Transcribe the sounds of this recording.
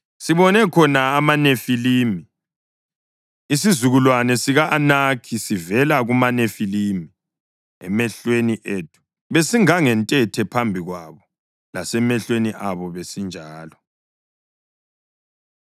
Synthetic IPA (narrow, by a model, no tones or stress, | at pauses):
siβɔnɛkʰɔnaːmanefiliːmi | isizuɣulwanɛsiɣaʔanakʰisivɛlaɣumanefilimi | ɛ̰mɛɬweniʔeːt̚ʰʼu̥ | βesiŋaŋɛntʼɛtʰɛpʰambʱiɣwaβɔ | lasɛmɛɬweniʔaβɔβesind͡ʒʱaːlɔ